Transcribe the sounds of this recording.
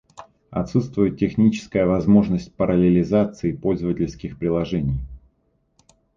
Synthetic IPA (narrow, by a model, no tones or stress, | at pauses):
ɐ̰t̪sut̪st̪vʊjɪt̪ʲtʲːɪxnʲit͡ɕɪ̥skəjəvɐzmo̞ʐnəsʲt̚ʲpəɾʔəlʲɪlʲɪzat̪sɨɪpo̞lʲzəvətʲɪlʲskʲɪxpɾʲɪlˠɐʐɛnʲɪj